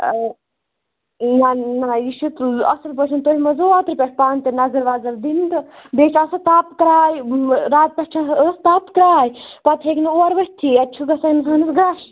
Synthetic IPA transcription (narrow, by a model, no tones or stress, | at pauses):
nanajiʃut̪ɐ̰sɐlpɐt͡ʃʰunt̪oɦimɐzoːaːt̪ɾpʲɛʈʰpaːnt̪ɐnɐɡɐɾʋaːzɐɾd̪int̪ɨb̪eːt͡ʃʰɐsɐt̪aːpkɾaːjɾaːt̪̚pʲeʈʈʰɐəst̪aːpkɾaːjipɐt̪ʰɦekʲinoːɾʋɐsʲt̪ʰiɐt͡ʃʰuɡɐsɐnsʰɐnɐsɡɾaʃ